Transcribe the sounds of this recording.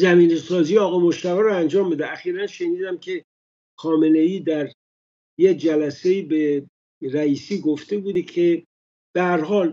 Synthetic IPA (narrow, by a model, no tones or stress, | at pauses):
zæmiːnesɒːzijɒːɣɒjmoʃt̪ævæɾoænd͡ʒɒːmbed̪eæxiːɾænʃe̞niːd̪æmcʰe̞ | xɒːme̞ne̞jiːd̪æɾ | jed͡ʒælæseiːbe | ɾæiːsiːɡoft̪e̞buːd̪ekʰe | b̥ehæɾɦɒːl